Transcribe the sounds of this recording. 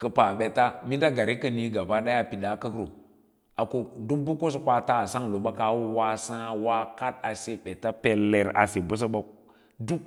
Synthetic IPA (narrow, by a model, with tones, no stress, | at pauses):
kə˨pa˨ɓe˨ta˦mi˦da˦ɡa˨ɾi˦kə˦ni˦ɡa˨ba˦ɗa˦ja˦pi˨ɗa˨kə˦kɾo˨ | a˨ko˨du˦mbu˦ko˦s̬o˨kʷa˦ta˦˨sa˦ŋ˨lo˨ɓa˦ka˨˦wu˦wa˦sã˦˨wa˦ka˦t̚a˨se˨ɓe˨ta˦pe˨lːe˨ɾa̰˨se˨bu˦s̬a˦ɓa˦ | du˦k